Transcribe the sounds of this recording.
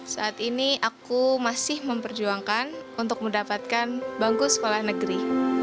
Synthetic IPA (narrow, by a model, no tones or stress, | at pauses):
saːt̪iniʔakumasɪhməmpərd͡ʒuaŋkanunt̪ʊk̚məndapat̪̚kanbaŋɡusə̥kolahnəɡəɾi